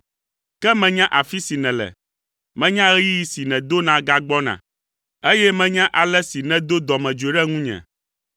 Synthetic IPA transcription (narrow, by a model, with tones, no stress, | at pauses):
kɛ˦mɛ̃˨ɲã˦ʔa˨fi˦si˨nɛ̃˨lɛ̰˨ | mɛ̃˦ɲã˦ɣɛ˦ji˦ji˦si˨nɛ̃˨d̪o˦nã˨ɡa˦ɡ͡bɔ˦nã̰˨ | e˦jɛ˦mɛ̃˦ɲã˦ʔa˨lɛ˦si˨nɛ̃˨d̪o˦d̪ɔ˨mɛ̃˨d͡ʒe˨ɖɛ˦ŋũ˦ɲɛ̰̃˨